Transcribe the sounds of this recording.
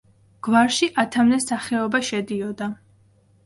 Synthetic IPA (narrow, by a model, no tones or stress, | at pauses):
ɡ̥waɾʃiʔat̪ʰamnɛsaχɛɔbaʃɛd̪iɔd̪a